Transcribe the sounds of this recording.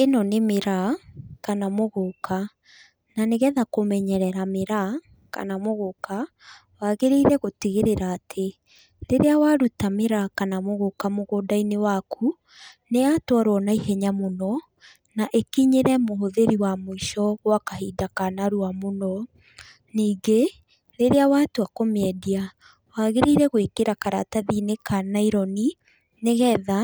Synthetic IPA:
enɔnemeɾakanamoɣoka | naneɣɛðakomɛɲɛɾɛɾameɾa | ka̰namoɣoka | waɣeɾeiɾɛɣotiɣeɾeɾaːtʰe | ɾeɾeawaɾutameɾakanamoɣokamoɣoːdainewakʰu | neatwaɾwɔnaihɛɲamonɔ | naʔekiɲeɾɛmoɦoðeɾiwamoiʃɔɣwakaɦidakanaɾuamonɔ | niːɡe | ɾeɾeawatoakomeɛdia | waɣeɾeiɾɛɣwekeɾakaɾataðinekanaiɾɔni | neɣɛða

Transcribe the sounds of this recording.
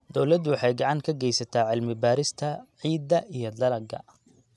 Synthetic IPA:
d̪ɔwlɐd̪wɑħɑjɡɑʕɑŋkʰɐɡɛjsɐt̪ʰaːʕɪlmɪbaːɾɪst̪ʰɐʕiːd̪ːɐʔijɞd̪ɐlɐɡɐ̰

